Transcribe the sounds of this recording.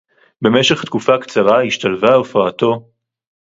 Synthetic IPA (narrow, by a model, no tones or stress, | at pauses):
be̞me̞ʃe̞χt̪kufakt͡saʁaiʃt̪alvaofaato̞